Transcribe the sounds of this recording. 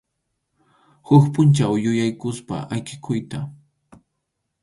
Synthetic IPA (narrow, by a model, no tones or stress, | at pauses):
hʊkpʊnt͡ʃawjʊjajkʊspa̰ʔajkɪkʰʊjt̪a